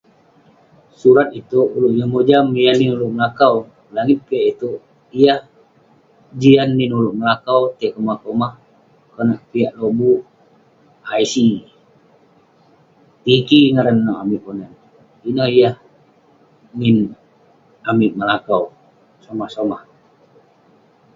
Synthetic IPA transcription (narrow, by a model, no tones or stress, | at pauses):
suɾat̪̚it̪uʔuluʔjahmod͡ʒamianːinuluʔməlakaw | laŋit̪̚piaʔit̪uʔ | ijah | d͡ʒianːinuluʔməlakawt̪akəmakomah | kənaʔpiaʔlobuʔ | ajsi | t̪ikiŋaɾanːɔamiʔponan | inɔhijah | nin | amiʔməlakaw | somahsomah